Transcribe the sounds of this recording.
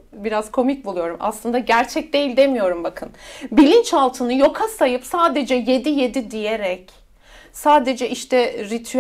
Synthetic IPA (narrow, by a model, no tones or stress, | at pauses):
biɾazkʰo̞mic̚bulˠujo̞ɾumʔa̰slˠɯnd̪aɟæɾt͡ʃʰɛc̚d̪e̞jilʲd̪e̞mijo̞ɾumbakʰɯnbilʲint͡ʃalˠt̪ʰɯnɯjo̞kʰasajɯpsaːd̪e̞d͡ʒɛje̞d̪ije̞d̪id̪ijeɾɛc | saːd̪e̞d͡ʒɛʔiʃt̪ʰɛɾit̪ʰy